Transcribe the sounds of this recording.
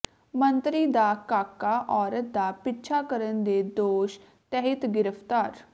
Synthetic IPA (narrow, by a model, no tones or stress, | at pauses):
mənt̪ɾiːd̪aːkaːkːaːʔɔːɾət̪̚d̪aːpɪt͡ʃʰaːkəɾənd̪eːd̪oːʃ | t̪ɛɦɪt̪ɡɪɾəpʰt̪aːɾ